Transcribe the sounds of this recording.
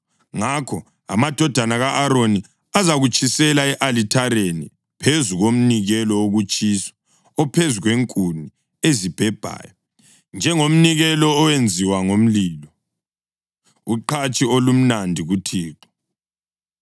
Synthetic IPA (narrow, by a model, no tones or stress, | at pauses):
ŋakʰɔ | a̰mad̥ʱɔd̥ʱanaɣaʔaɾoni | azaɣut͡ʃʼisɛlaɛʔalitʰaɾenḭ | pʰezuɣom̩niɣɛlɔoɣut͡ʃʼisɔ̥ | ɔpʰezuɣweŋkʼuni | ezib̥ʱɛb̥ʱa̰ːjɔ | nd͡ʒʱɛŋom̩niɣɛlɔːwend͡zʱiwaŋom̩lilɔ | uǃat͡ʃʼiolum̩nandʱiɣutʰiːǁɔ̥